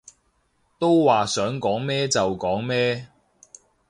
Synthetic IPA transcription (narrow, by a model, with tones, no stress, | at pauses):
t̪o˥wwaː˨sœː˨˥ŋkɔː˨˥ŋmɛː˥t͡sɐ˨wkɔː˨˥ŋmɛː˥